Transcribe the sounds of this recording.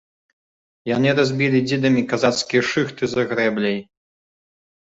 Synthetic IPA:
janɨɾazʲbʲilʲid͡zʲid̪ɐmʲikazat̪skʲijɛʂɨxt̪ɨzɐɣɾɛblʲɛj

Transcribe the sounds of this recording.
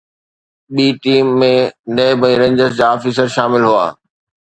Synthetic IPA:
ɓiːʈiːmːẽnɐɦbəĩɾẽːɲd͡ʑəɾs̬d͡ʑaːɔːfiːsəɾʃaːmɪlɦua̰ː

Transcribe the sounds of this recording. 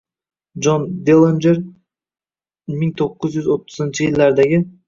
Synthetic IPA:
d͡ʒond̪elˠend͡ʒeɾ | miŋt̪ʰo̞qːʊzjyzo̞t̪ːʊ̥zɨnt͡ʃɪjɪlʲːeɾd̪eɡʲɪ

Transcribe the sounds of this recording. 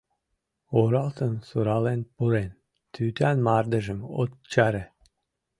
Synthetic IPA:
oɾɑlˠt̪ə̆nsuɾɑlenpuɾen | t̪ʰyt̪ænmɑrd̪ə̆ʒə̆mo̰t̪t͡ɕɑɾe

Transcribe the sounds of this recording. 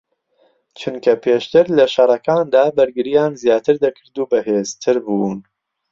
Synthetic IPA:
t͡ʃʰʊnkʰɐpʰeːʃt̪ɨɾlɐʃɐɾˤɐkaːnd̪aːbɐɾɡɨɾijaːnzjaːt̪ɨɾd̪ɐkʰɨɾd̪uːbɐheːz̥t̪ʰɨɾbuːn

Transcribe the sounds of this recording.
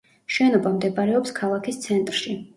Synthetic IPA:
ʃwɛnɔbamd̪ɛbaɾɛɔpskʰalˠakʰist̪sʰɛnt̪ʼɾʃi

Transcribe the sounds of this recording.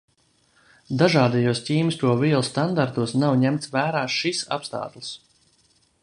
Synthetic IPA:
d̪aʒaːd̪ɛjuɔscʲiːmɨst̪uɔviɛlˠst̪and̪aɾt̪uɔsnawɲæmt̪svæːɾaːʃisa̰pst̪a̰ːt̪lˠɨs

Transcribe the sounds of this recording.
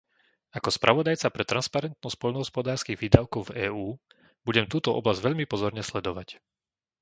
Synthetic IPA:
akɔspɾa̰ʋɔd̪ajt͡sapɾɛt̪ɾʔanspaɾɛnt̪̚nɔsc̚pɔʎnɔɦɔspɔd̪aːɾskiːɣʋiːd̪aʊkɔʊvɛːuː | buɟɛmt̪uːt̪ɔʔɔ̰blazɟʋɛʎmipɔzɔɾɲɛslɛd̪ɔʋac

